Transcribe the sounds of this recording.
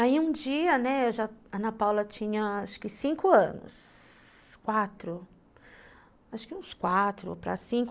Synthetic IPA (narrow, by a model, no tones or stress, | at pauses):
aiũd͡ʒiɐnɛewʒaɐ̃nɐpawlɐt͡ʃĩɲɐaʃʊ̥kɪsĩŋkʊɐ̰̃nʊ̰s | kwat̪ɾʊ | aʃʊ̥kɪũskwat̪ɾʊ̰pɾɐ̰sĩŋk